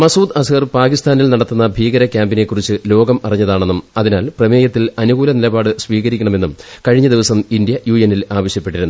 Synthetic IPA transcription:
mɐsuːd̪ɐsɣɐrpaːkist̪aːnilnɐɽɐt̪ːunːɐbʱiːɣɐɾɐkʲjaːmbine̞kːurit͡ɕːɨlo̞ːɡɐmɐriɲːɐðaːɳe̞nːumɐðinaːlprɐmeːjɐt̪ːilɐnuɣuːlɐnilɐbaːɽɨsʋiːɣɐɾikʲːɐɳɐme̞nːumkɐɻiɲːɐd̪iʋɐsɐmind̪jɐjuːjenilaːʋɐɕjɐpːe̞ʈːiɾunːu

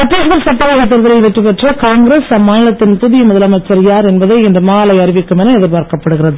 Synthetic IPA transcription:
sɐʈːɾiːsðɐɾsɐʈːɐʋɐːɣɐt̪̬ːɪɾðɐlɐɪʋɛʈrːɯpɐʈrɐkaːŋɡɪɾeːsɐmːaːnɪlɐt̪ːɪnpʊðɪjɐmʊðɐlɐmɐɪt͡ʃːɐɾɪjaːɾɛnbɐðɐɪɛndɐmaːlɐɪɐɾɪʋɪkːɯmɛnɐɛðɪɾpaːɾkɐpːɐɽɯɣɪɾɐðɯ

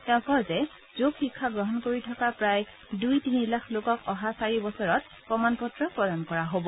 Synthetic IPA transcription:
tɛʊ̃kɔzɛ | zokʰxikʰːaɡɹɔɦɔnkoɹitʰɔkapɹaj | dujtinilaxʰlokɔkɔɦasaɹibɔsɔɹɔt̚ | pɹɔmanpɔtɹɔpɹɔdankɔɹaɦobɔ

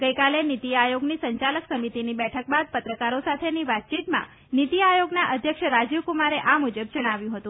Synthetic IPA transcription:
ɡəjkalenit̪iajoɡnisəɲt͡ʃaləksəmit̪inibɛʈʰək̚bad̪̚pət̪ɾəkaɾosat̪ʰeniʋat̪̚t͡ʃit̪mã̰ | nit̪iajoɡnaʔəd̪ʱjəkʃɾad͡ʒiʋkumaɾeʔamud͡ʒəb̚d͡ʒəɽ̃aʋjũɦət̪ũ

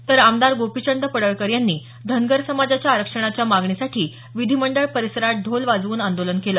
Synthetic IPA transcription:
t̪əɾamd̪aɾɡopit͡ɕəɳd̪əpəɽəɭkəɾjanːiː | d̪ʱənɡəɾsəmad͡zat͡ɕjaːɾəkʂəɳ̃at͡ɕjamaɡɳisaʈʰiː | ʋid̪ʱiməɳɖəɭpəɾisəɾaʈ̪̚d̪ʱolʋad͡zʋuːnand̪olənkeləː

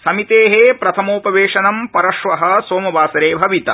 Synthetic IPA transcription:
sɐmit̪eːɦeːpɾɐt̪ʰɐmoːpɐʋeːʂɐnɐmpɐɾɐʃʋɐɦɐsoːmɐbaːsɐɾeːbʱɐʋit̪ɐ

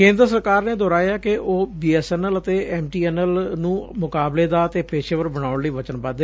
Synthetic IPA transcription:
kẽːnd̪ɾəsəɾkaːɾneːd̪ɔːɾaːjaːkeʔoːbiːɛːsɛːnələt̪eːɛːmʈiːɛːnəlnũːmʊkaːbleːd̪aːət̪eːpeːʃeːʋəɾbəɽ̃aːʊɳləiːbət͡ʃənbə

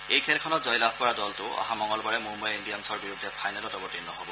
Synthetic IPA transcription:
ejkʰelkʰɔnɔtzɔjlab̚ʱkɔɹadɔltʊɔ̰ɦamɔŋɔlbɔɹɛmumbajinɖijansɔɹbiɹud̪ʱːɛpʰajnalɔtɔbɔtinːɔɦɔbɔ

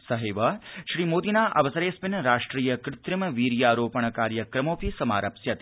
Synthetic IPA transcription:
sɐɦeʋɐʃɾiːmoːd̪inaːʔɐʋɐsɐɾeːspɪnɾaːʂʈɾiːjɐkɾɪt̪ɾɪmʋiːɾjaːɾoːpɐɳ̃kaːɾjɐkɾɐmoːpisɐma̰ːɾɐpsjɐt̪

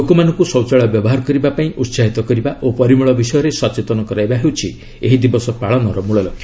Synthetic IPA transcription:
lokomanɔ̃ŋkusɔwt͡ʃaɭɔbjɔbɔɦaɾɔkɔɾibapaĩʔut̪saɦit̪ɔkɔɾibaʔopɔɾimuɭɔbisɔjɔɾesɔt͡ʃet̪ɔnɔkɔɾajbaɦewt͡ʃʰi | eɦid̪ibɔsɔpaɭɔnɔɾɔmuɭɔlɔɡʰjɔ

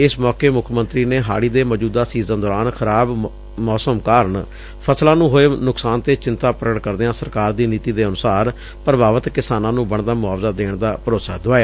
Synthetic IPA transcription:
ɪsmɔːkeːmʊkʰmənt̪ɾiːneːɦa̰ːɽiːd̪eːməd͡ʒuːd̪aːsiːzãːd̪ɔːɾaːnxʰəɾaːb | mɔːsəmkaːɾəɳ | pʰəslãːnũːɦoːeːnʊksaːnt̪eːt͡ʃɪnt̪aːpɾəɡəʈkəɾd̪eːãːsəɾkaːɾd̪iːniːt̪iːd̪eːənʊsaːɾ | pəɾəbaːʋət̪kɪsaːnãːnũːbəɳd̪aːmʊaːʋzaːd̪eːɳd̪aːpəɾoːsa̰ːd̪ʊaːjaː

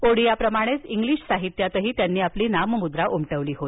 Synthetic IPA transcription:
oɽijapɾəmaɽ̃et͡siŋɡliːɕsaɦit̪jat̪əɦiːt̪janːiːapliːnaməmud̪ɾaʔumʈəʋliːɦo

